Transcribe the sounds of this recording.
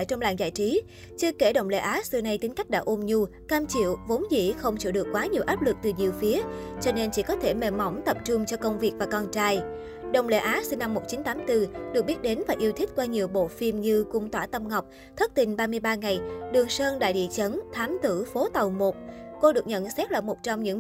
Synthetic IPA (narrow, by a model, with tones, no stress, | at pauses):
jt͡ɕɔ˧wŋ͡mla̰ː˧˨ŋza̰ː˧˨jt͡ɕi˨˦ | t͡ɕɨ˧əke˧˩ɗə̰˧˨wŋ͡mlḛ˧˦ʔaː˨˦sɨ˧na˧jt̪i˨˦ŋ̟ka˦˥k̟̚ɗa̰ː˧˥ʔu˧mɲu˧kaː˧mt͡ɕḭ˧˨əwvo˨˦nzḭ˧˩˨xə˧wŋ͡mt͡ɕḭ˧˩wɗɨ˨˩əkːwaː˨˦ɲi˨˩əwʔaː˦˥p̚lɨ˨˩k̚t̪ɨ˨˩ɲi˨˩əwfi˨˦ət͡ɕɔ˧ne˧nt͡ɕḭ˧˩kɔ˨˦t̪ʰe˧˩me˧˩ma˨˦wŋ͡mt̪ə˨˩p̚t͡ɕʊ˧ŋ͡mt͡ɕɔ˧kə˧wŋ͡mvi˨˩ək̚vaː˨˩kɔ˧nt͡ɕaː˧j | ɗə̰˧˨wŋ͡mlḛ˧˩˦ʔaː˨˦si˧nːa˧mːo˨˩t̚t͡ɕi˨˦nt̪aː˨˦mt̪ɨ˧ɗɨ˨˩k̚ɓi˦˥t̚ɗe˨˦nvaː˨˩ʔi˧əwt̪ʰï˦˥t̚kwaː˧ɲi˨˩əwɓo̰˧˨fi˧mɲɨ˧kʊ˧ŋ͡mt̪waː˧˩t̪ə˧mŋa˨˩wk͡p̚ | t̪ʰə˦˥k̚t̪ï˨˩ŋ̟ɓaː˧mɨ˧əjɓaː˧ŋa˨˩jɗɨ˨˩əŋsəː˧nɗa̰ː˧˨jɗḭ˧˨t͡ɕə˨˦nt̪ʰaː˨˦mt̪ɨ̰˧˩fo˨˦t̪ə˨˩wmo˨˩t̚ko˧ɗɨ˨˩ək̚ɲə̰˧˨nsɛ˦˥t̚laː˨˩mo˨˩t̚t͡ɕɔ˧wŋ͡mɲɨ̰˧˥